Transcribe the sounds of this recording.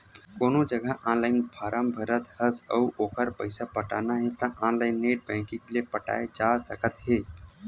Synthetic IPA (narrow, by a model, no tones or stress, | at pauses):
koːnod͡ʒəɡəʔãnlaːɪnpʰaːɾambʱəɾət̪həsə̰uʔoːkəɾpəɪsapəʈaːnaɦɛ̃t̪ə̃ʔãnlaɪnːeʈ̚bɛ̃ːŋkĩkeliepəʈa̰ːed͡ʒasəkət̪ɦe